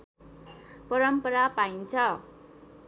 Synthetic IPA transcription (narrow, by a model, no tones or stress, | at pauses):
pʌɾʌmpʌɾapaint͡sʰʌ